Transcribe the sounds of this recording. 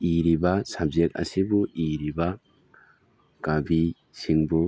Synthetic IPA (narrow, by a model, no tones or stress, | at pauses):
iɾibasab̚zek̚a̰sibuʔiɾiba | kabi | siŋbu